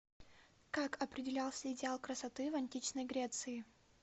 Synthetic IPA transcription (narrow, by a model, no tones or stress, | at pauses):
kakʰɐpɾʲɪdʲɪlʲalˠsʲəɪdʲɪalˠkɾəsɐt̪ɨvɐnʲtʲit͡ɕnəjɡɾʲet̪sɨɪ